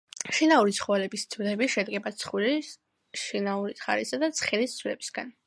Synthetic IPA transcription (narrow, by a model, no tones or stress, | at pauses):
ʃinauɾit̪sʰχɔvalɛbist̪sʰd̪ɛbiʃɛd̪ɡɛbat̪sʰχwili | ʃinauɾisχa̰ɾisad̪at̪sʰχɛlist̪sʰwlɛbisɡa̰n